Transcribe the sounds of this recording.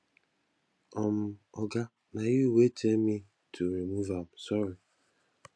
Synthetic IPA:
ɔm̩ɔɡa | najuwet͡ʃemi | tʰuɾimuvam̩sɔɾi

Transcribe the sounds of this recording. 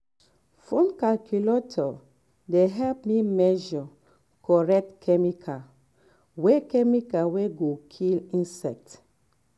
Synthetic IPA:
fõnkalkʰjulatʰɔ | deɦɛlpmimɛʒɔ | kɔɹɛk̚tkʰɛmikʰa | wekɛmikaweɡokʰilĩnsɛk̚t

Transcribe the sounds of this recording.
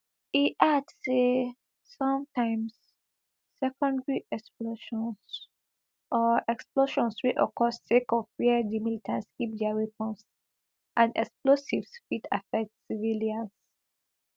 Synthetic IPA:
iʔadse | sɔ̃mtʰãɪ̃msː | ɛkɔ̃ndɹiʔɛksploʃɔ̃ns | ʔɔʔɛksploʃɔ̃nswiʔɔkʰɔssekɔviədimilitʰãntskip̚dɛaɹipɔ̃s | ʔãnɛksplosivsfitafɛk̚tsiviliãns

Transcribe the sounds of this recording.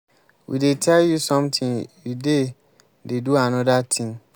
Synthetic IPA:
wḭdetʰɛljusɔ̃mtʰĩŋjude | deduanɔdatʰĩŋ

